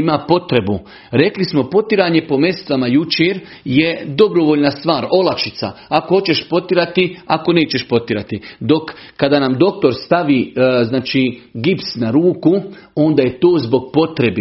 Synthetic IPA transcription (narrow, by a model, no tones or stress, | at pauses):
imapo̞t̪ɾe̞bu | ɾe̞klismo̞po̞t̪iɾaːɲe̞pome̞st̪ʋamajut͡ʃeːɾ | je̞d̪o̞bɾoʋoːʎnast̪ʋaːɾo̞lakʃit̪sa̰akohot͡ɕe̞ʃpo̞t̪iɾat̪iako̞ne̞ːt͡ɕe̞ʃpo̞t̪iɾat̪id̪o̞kːad̪aːnamd̪o̞k̚t̪o̞ɾst̪aʋiːznaːt͡ʃiːɡipsnaɾuːku | o̞nd̪aːje̞t̪o̞ːzbo̞ɡ̚po̞t̪ɾe̞b